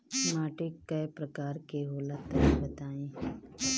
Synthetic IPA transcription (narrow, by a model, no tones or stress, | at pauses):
maːʈekːəjpɾəkaːɾkeɦoːlat̪ɐɾibət̪aːẽː